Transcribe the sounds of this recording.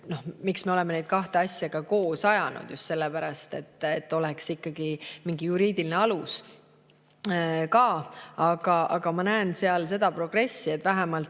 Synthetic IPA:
no̞hmiksme̞ole̞menejd̪̥̚kɑht̪eɑsʲjɑɡ̥ɑko̞ːsɑjɑnṵd̪̥just̪se̞lːepæɾɑst̪e̞̰t̪ːˑet̪ːo̞lɛksikːɑɡ̥imiŋɡijuɾiːd̪̥iline̞ɑlus | kɑːɑɡ̥ɑɑ̰ɡ̥ɑmɑnæense̞ɑlse̞d̪̥ɑpro̞ɡ̥re̞sːie̞t̪ːvæɦemɑlt̪

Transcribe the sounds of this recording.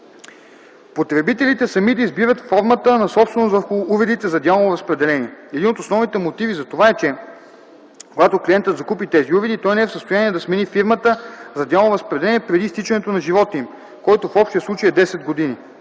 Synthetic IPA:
pot̪ɾɛbit̪ɛlit̪ɛsɐmid̪ɐizbivət̪fɔɾmət̪ənɐsɔpst̪vɛnosvəɾxʊuvɛd̪it̪ɛzɐd̪janˠovoɾɐspɾɛd̪ɛlɛniɛɛd̪inot̪osnɔvnit̪ɛmot̪ivizɐt̪ovaɛt͡ʃɛ | koɡat̪okliɛnt̪ət̪zɐkupit̪ɛziuvɛd̪it̪ɔjnɛɛfsəst̪ojaniɛd̪ɐsmɛnifiɾmət̪əzɐd̪jalˠvoɾɐspɾɛd̪ɛlɛniɛpɾɛd̪ist̪it͡ʃɛnɛt̪onɐʒivɔt̪im | kɔjt̪ofɔpʃt̪ɛɛslˠut͡ʃəjɛd̪ɛsɛd̪ɡod̪ini

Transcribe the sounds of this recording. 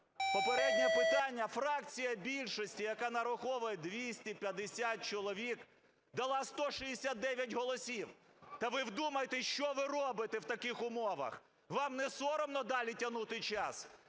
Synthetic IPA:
pɔpeɾɛd̪ʲnʲɛpɪt̪ɑnʲːɐfɾɑkt͡sʲijɐbʲilʲʃɔsʲtʲijɐkanɐɾʊxɔʋʊjɛd̪ʋʲisʲtʲipʲjɐd̪esʲat̪̚t͡ʃɔlˠɔʋʲik | d̪ɐlˠɑst̪ɔʃijesʲat̪̚d̪ɛʋʲjɐtʲɦɔlˠɔsʲiw | t̪ɐʋɪwd̪umɐjet̪ɛʃt͡ʃɔʋɪrɔbɪt̪ewt̪ɐkɪxʊmɔʋɐ̰x | ʋɑmnɛsɔɾɔmnɔd̪ɑlʲitʲɐnut̪ɪjt͡ʃɑs

